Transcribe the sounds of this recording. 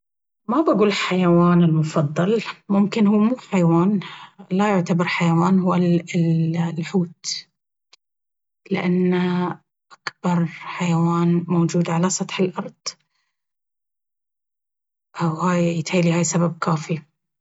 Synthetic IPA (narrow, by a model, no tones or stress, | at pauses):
mabaɡuːlħajawaːnɪlmʊfɑðˤːɑlmʊmkɪnhuːmuːħajawaːnlajʊʕt̪abɑɾˤħajawaːnhuwal | lħuːt̪ | lɪ̰ʔanːa | ʔakbɑɾˤħajawaːnmowd͡ʒuːd̪ʕalasˤɑt̪ħɪlʔɑɾˤd̪̥ˤ | ʔawhaːjjɪt̪ħaːlihaːjsabab̚kaːfi